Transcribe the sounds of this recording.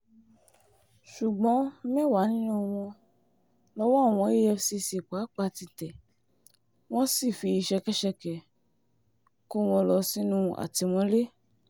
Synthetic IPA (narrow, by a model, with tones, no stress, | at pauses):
ʃu˨ɡ͡bɔ̃˨˦mɛ̃˦˨wa˨˦nĩ˦nũ˦˧w̃ɔ̃˧ | lɔ˦wɔ˦˨w̃ɔ̃˧˦e˦ɛ˧fsi˧si˨k͡pa˨˦k͡pa˧ti˧tɛ˨ | w̃ɔ̃˦si˦˨fi˧i˧ʃɛ˧kɛ˦ʃɛ˧kɛ˨ | ko˦w̃ɔ̃˧lɔ˧si˦nũ˦˧ʔa̰˨ti˧w̃ɔ̃˦le˦